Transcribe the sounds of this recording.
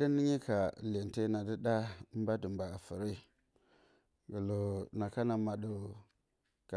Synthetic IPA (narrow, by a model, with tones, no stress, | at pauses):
di˦ni˦ɲi˦kʰa˨le˨n˨te˦na˨də˦da˦m˦ba˦də˨mba˨a˨fə˨ɾi˦ | ɡə˨lo˨na˨ka˦na˨ma˨ɗu˨ | ka˨